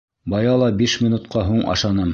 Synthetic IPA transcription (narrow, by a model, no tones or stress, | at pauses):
bɑjɑlˠɑbiʃmʲinut̪qʰɑɦuɴʔɑ̰ʃɑnɤm